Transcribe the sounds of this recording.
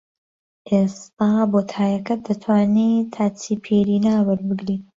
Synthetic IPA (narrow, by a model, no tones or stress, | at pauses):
ʔest̪aːboːt̪ʰaːjɐkɐd̪ɐt̪ʰwaːnit̪ʰaːt͡siːpʰeːɾiːnaːwɐɾbɨɡɾiː